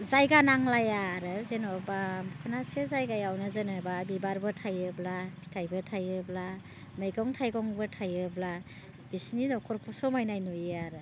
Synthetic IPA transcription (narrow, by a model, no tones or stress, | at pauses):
zajɡanaŋlajaɾɯzenɔbabkʰɔnasezajɡajawnɯzɯnɯbabibaɾbɯtʰajɯblapʰi̥tʰajbɯtʰajɯbla | mejɡɔŋtʰajɡɔŋbɯtʰajɯbla | b̥isninɔkʰɔɾpʰɔsɔmajnajnɔjeaɾɯ